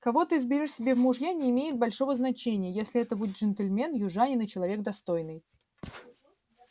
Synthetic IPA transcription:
kɐvo̞t̪ɨɪzbʲɪɾʲoʂsʲɪbʲe̞vmʊʐjanʲɪːmʲejɪt̪̚bɐlʲʂo̞vəznɐt͡ɕenʲɪjəjesʲlʲɪɛt̪əbudʲɪt̪ʐɨnt̪əlʲmʲe̞njʊʐanʲɪnɨt͡ɕɪlˠɐvʲeɡ̚d̪ɐst̪o̞jnɨj

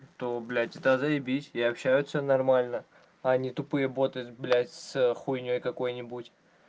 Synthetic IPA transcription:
t̪oblʲætʲɪt̪azɐɪbʲitʲɪɐpɕːæjʊt̪sənɐrmalʲnə | ɐnʲit̪ʊpɨjəbo̞t̪ɨʊt̪blʲætʲsxujnʲojkɐko̞jnʲɪbutʲ

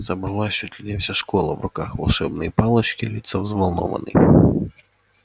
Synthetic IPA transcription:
zɐbɾɐlˠaʃt͡ʃɔt̪ʲlʲinʲɛwsʲaʃkɔlˠɐ̰wrɔkaxʋɐlˠʃɛbnɪjipɑlˠɐt͡ʃkɪlʲit̪sɐwzʋɐlˠnɔ̰ʋɐ̰nɪ̰j

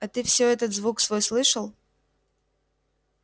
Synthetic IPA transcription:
ɐt̪ɨfsʲoɛt̪ət̪zvuksvojslˠɨʂəlˠ

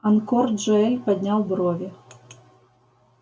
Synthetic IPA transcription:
ɐnkɔrd̪ʐɔɛlʲpad̪ʲnʲawbɾɔvʲɛ

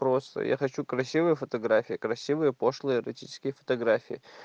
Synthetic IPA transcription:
pɾost̪ə̰jʔa̰xɐt͡ɕukɾɐsʲivɨjəfət̪ɐɡɾafʲɪjɪkɾɐsʲivɨjəpoʂlˠəjəɪɾɐtʲit͡ʃɪ̥skʲɪjəfə̥t̪ɐɡɾafʲɪjɪ

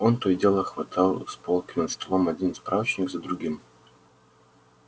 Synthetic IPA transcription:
ont̪odʲelˠəxvɐt̪ʰalˠspolˠkʲɪnət̪st̪ɐlˠomɐdʲinspɾʔavət͡ɕnʲɪkzəd̪ɾʊɡʲim

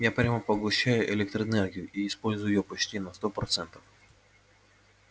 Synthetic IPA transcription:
japɾʲaməpəɡʊɕːæjʊʔɪlʲɛk̚t̪ɾəɛnɛrɡʲɪjʊʔiɪspo̞lʲzʊjʊjopɐt͡ɕtʲinɐst̪opɾɐt̪sɛnt̪ə̥f

